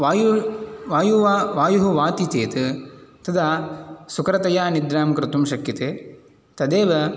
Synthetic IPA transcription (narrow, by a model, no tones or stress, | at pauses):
ajʋaːjuʋaːjuɦuʋaːt̪it̪eːt̪ɨt̪ɐd̪asukɾɐt̪ɐjaːnid̪ɾaːmkɾɪt̪umʃɐkjɐt̪eː | t̪ɐd̪eːʋɐ